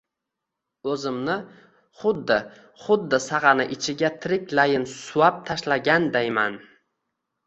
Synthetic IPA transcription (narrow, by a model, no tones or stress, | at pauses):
ɵzɪmnɪ | χʊd̪ːɪ | χʊd̪ːɪsɑʁɑnɪʔɪt͡ʃʰɪɡʲat̪ʰɪɾɪkʲlajɪnsʊwap̚t̪ʰaʃlaɡʲand̪ajman